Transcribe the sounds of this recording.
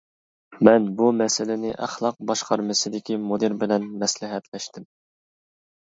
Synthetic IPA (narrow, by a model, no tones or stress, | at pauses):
mɛnbumɛsɪlɪnɪʔæχlˠɑq̚bɑʃqɑɾmɨsɨd̪ɪkʲimod̪ɨɾbɪlɛnmɛslɪɦɛt̪lɛʃt̪ɪm